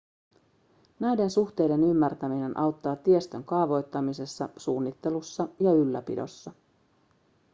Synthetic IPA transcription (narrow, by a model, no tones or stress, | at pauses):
næjde̞nsuxt̪e̞jde̞nymːært̪æmine̞nʔɑwt̪ːɑːt̪iest̪ø̞ŋkɑːʋo̞jt̪ːɑmise̞sːɑ̰suːnːit̪ːe̞lusːɑjɑylːæpḭdo̞sːɑ